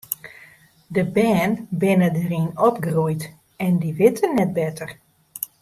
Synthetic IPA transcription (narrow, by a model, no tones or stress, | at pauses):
dəbɛːnbɪnədərinɔp̚ɡrujt | ɛndiʋɪtənːɛt̚bɛtʰər